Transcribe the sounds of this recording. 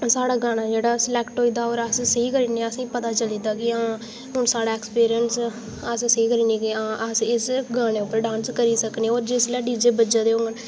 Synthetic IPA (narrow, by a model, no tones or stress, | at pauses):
saːɽaːɡaːɽ̃aːd͡ʒeːɽaːsəlɛːkʈɦoːiːd̪aːoːɾəssəiːkəɾiːnẽːəsĩːpət̪aːt͡ʃəliːd̪aːkɪãː | ɦʊɳsaːɽaːeːkspiːɾɪjəns | əssəiːkəɾiːneːkiãːʔəsɪsɡaːɽ̃eːʊpːəɾɖãːnskəɾiːsəkneoːd͡ʒɪslɛːɖiːd͡ʒeːbəd͡ʒaːd̪eːoɡən